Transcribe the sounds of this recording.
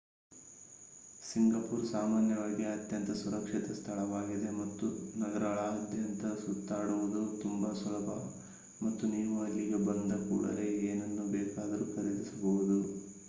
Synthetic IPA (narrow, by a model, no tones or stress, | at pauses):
siŋɡɐpuːɾsaːmaːnjɐʋaːɡiɐt̪jɐnt̪ɐsuɾɐkʂit̪ɐst̪ʰɐɭɐʋaːɡid̪e̞mɐt̪ːunɐɡɐɾɐɭɐːd̪ʱjɐnt̪ɐsut̪ːaːɽuʋud̪ɐɾut̪umbɐsulɐbʱɐ | mɐt̪ːuniːʋuɐlːiɡe̞bɐnd̪ɐkṵːɽɐ̰ɾe̞ːeːnɐnːubɛːkaːd̪ɐɾuːkɐɾid̪isɐbɐʋud̪u